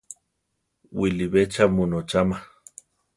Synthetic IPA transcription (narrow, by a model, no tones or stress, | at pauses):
wiliβet͡ʃamunot͡ʃama